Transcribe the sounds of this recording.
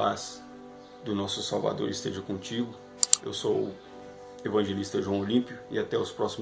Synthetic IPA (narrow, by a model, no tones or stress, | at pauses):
as | d̪ʊnɔsʊsawva̰d̪o̰ɾɪst̪eʒɐkõt͡ʃiɡʊ | ḛwso | evɐ̃ʒelist̪ɐʒuɐ̃w̃olĩpiʊɪat̪ɛʊspɾɔsim